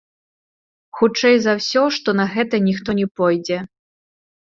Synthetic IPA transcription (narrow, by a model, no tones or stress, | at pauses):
xut͡ʂɛjzɐwsʲɔʂt̪ɔnɐɣɛt̪ɐnʲixt̪ɔnʲɛpɔjd͡zʲɛ